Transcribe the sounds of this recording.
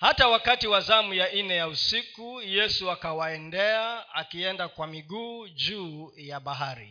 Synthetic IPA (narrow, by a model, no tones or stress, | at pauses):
hatawakatiwazamujainɛjausikujɛsuakawaɛndɛaakiɛndakwamiɠuːd͡ʒuːjaɓaɦaɾḭ